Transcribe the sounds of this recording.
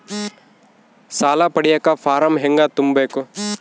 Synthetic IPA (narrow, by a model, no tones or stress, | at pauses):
saːlapɐɽijakafʰaːɾɐmɦeŋɡat̪umbɐjko